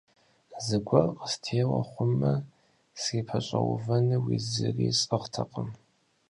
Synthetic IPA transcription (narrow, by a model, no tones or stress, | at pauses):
zɨɡʷɐrəstʰeːwɐ̰χʷʊmːɐ | siːpʰɐɕʼɐwʊ̰vɐnɨwizɨriːɕʼɨʁtʰɐqʼəm